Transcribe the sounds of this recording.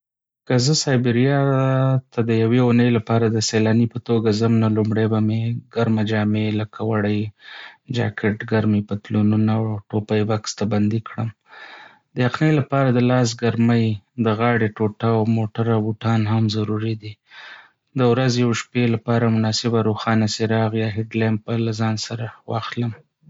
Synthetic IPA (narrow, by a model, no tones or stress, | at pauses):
kəzəsɑjbɪɾijɑt̪ad̪əjaweunəjlapɑɾad̪əselɑnipət̪oɡazamnalumɽajbameɡaɾmad͡ʒɑmeləkʰawaɽəj | d͡ʒɑ̰kʰɪʈɡaɾmepət̪lonunaʈopajbakst̪aband̪ikɽəm | d̪əjaqnelapɑɾad̪əlɑs̬ɡaɾməjd̪əɣɑɽeʈoʈawmoʈaɾawbuʈɑnhamzaɾuɾid̪i | d̪əwɾazjawʃpelapɑɾamʊnɑsɪbaɾoxɑnaseɾɑɣjɑɦɪɖlan̚pəlazɑnsaɾawɑ̰xləm